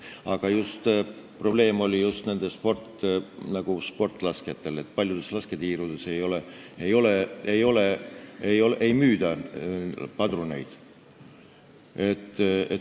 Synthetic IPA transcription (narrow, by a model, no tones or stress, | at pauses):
ɑɡ̥ɑjust̪ | pro̞b̥le̞ːmo̞lʲijust̪ne̞nd̪espo̞rt̪ːnɑɡ̥uspo̞rt̪ːˑlɑsket̪ːe̞le̞t̪̚ːˑpɑlʲjud̪e̞slɑske̞t̪iːɾud̪̥e̞se̞jo̞le | ejo̞leejo̞leejo̞lʔejmyːd̪ɑ | pɑd̪ɾune̞jd̪̥ | e̞t̪ːˑe